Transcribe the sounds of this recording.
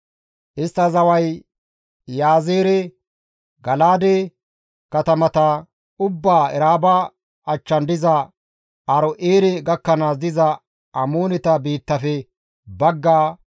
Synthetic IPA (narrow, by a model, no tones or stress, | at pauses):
ʔɪst̪ːɐzɐwɐj | jaːzeːɾɛ | ɡɐlaːd̪e | kɐt̪ɐmɐt̪ɐ | ʊbːaːɛɾaːba | ɐt͡ʃːɐnd̪ɪzɐ | ɐɾɔʔeːɾɛɡɐkːɐnaːsd̪ɪzɐ | ɐmoːnɛt̪ɐbiːt̪ːɐfɛ | bɐɡːaː